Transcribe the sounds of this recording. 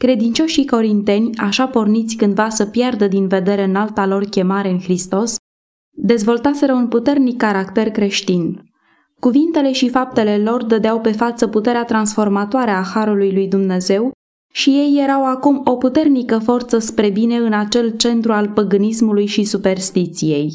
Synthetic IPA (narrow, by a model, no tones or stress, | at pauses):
kɾe̞d̪int͡ʃo̞ʃiko̞ɾint̪e̞nʲaʃapo̞rnit̪sʲkɨnd̪vasəpjerd̪əd̪inve̞d̪e̞ɾeɨnalt̪alo̞rkʲe̞maɾe̞ɨnxɾist̪o̞s | d̪e̞zvo̞lt̪ase̞ɾəunput̪e̞rnikːaɾakt̪e̞rkɾe̞ʃt̪in | kuvint̪e̞le̞ʃifap̚t̪e̞le̞lo̞rd̪əd̪eawpe̞fat̪səput̪e̞ɾeat̪ɾansfo̞rmat̪oaɾəaxaɾulujlujd̪umne̞ze̞w | ʃije̞jːe̞ɾawakumo̞put̪e̞rnikəfo̞rt̪səspɾe̞bine̞ɨnat͡ʃe̞lt͡ʃe̞nt̪ɾualpəɡɨnismulujʃisupe̞rst̪it̪sije̞j